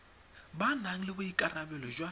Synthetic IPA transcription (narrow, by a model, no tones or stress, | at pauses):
banaŋ̩lɪbʊikʼarabɛlɔʒwa